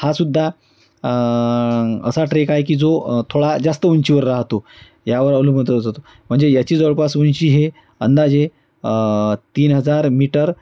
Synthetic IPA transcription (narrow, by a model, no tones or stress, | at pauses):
hasud̪ʱːa | ə̰saʈɾekajkiːd͡zot̪ʰoɽad͡zast̪əuɲt͡ɕiʋəɾːaɦt̪o | jaʋəɾaʋlum̤əɳət̪ət̪d͡zat̪o | m̤əɳd͡zejat͡ɕiːd͡zɔɭpasunt͡ɕiːɦe | ənd̪ad͡ʑe | t̪iːnɦəd͡zaɾmiʈəɾ